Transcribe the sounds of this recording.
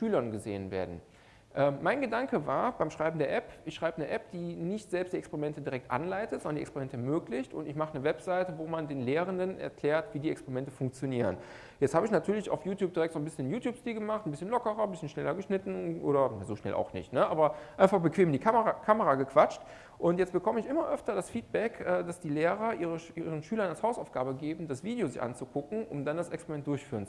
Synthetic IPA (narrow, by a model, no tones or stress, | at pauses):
ʃyːlɐnɡəzḛːənvḛːɐdn̩ | ʔɛːmːaɪnɡədaŋkəva̰ːɐbaɪmʃʁ̥aɪbm̩deːɐʔɛpɪçʃʁ̥aɪbənəʔɛp̚d̥iːnɪçtz̥ɛlpstd̥iɛkspeɛʁimɛntədiʁɛk̚tʔa̰nlaɪtətzɔndɐndiɛkspeʁimɛntəɛɐmøːklɪçtʊ̰ntɪçmaχənəvɛpz̥aɪtəvoːmandeːnleːʁəndənʔɛ̰ɐkl̥ɛːɐtv̥iːdiːɛkspeʁimɛntəfʊŋk̚t͡sjoniːʁ̞ə̰n | jɛt͡sthaːbəɪçnatʰyːɐlɪça̰ʊfjuːtjuːp̚d̥iʁɛk̚tz̥onbɪsçənjuːtʰjuːpstiːlɡəmaχtn̩bɪsçənlɔkəʁɐbɪsçənʃnɛlɐɡəʃnɪtn̩ʔo̰ːɾɐnazoːʃnɛ̰lʔa̰ʊxnɪ̰çtnəʔaːbɐʔaɪnfaχb̥əkv̥eːmdiːkʰakʰaməʁaːɡəkv̥at͡ʃt | ʔʊntjɛt͡stb̥əkʰɔməɪçʔɪmɐʔœftɐdasfiːt̚b̥ɛkʔɛːdasd̥iːleːʁɐʔiːʁəʔiːʁənʃyːlɐnalshaʊsaʊfɡ̥aːbəɡeːbm̩dasv̥iːdejozɪçʔa̰nt͡sukʰʊkŋ̩ʔʊ̰mdandasɛkspeʁimɛnt̚d̥ʊɐçfyːʁənt͡s